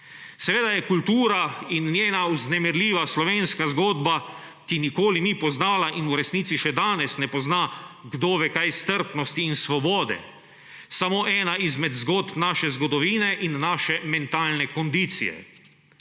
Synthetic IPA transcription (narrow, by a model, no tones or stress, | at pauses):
sɛʋeːd̪ajɛkult̪uːɾainːjeːnauznɛmɛɾliːʋaslɔʋeːnskazɡoːd̪ba | kinikoːlinipɔznaːlaʔinuɾɛsniːt̪siʃɛd̪aːnɛsnɛpɔznaɡd̪oːʋɛkajst̪əɾpnɔst̪iːnsʋɔbɔːd̪ɛ̰ | samoːʔɛːnaʔizmɛd̪zɡoːt̪pnaːʃɛzɡɔd̪ɔʋiːnɛʔinːaːʃɛmɛnt̪aːlnɛkɔnd̪iːt̪sḭjɛ̰